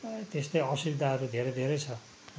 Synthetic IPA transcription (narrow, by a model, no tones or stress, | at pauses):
t̪est̪ʌjʌsibd̪ʱaɦʌɾud̪ʱeɾed̪ʱeɾejt͡sʰʌ